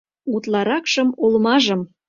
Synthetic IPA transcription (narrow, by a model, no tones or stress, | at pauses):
ut̪lɑɾɑkʃɤ̆molmɑʒə̆m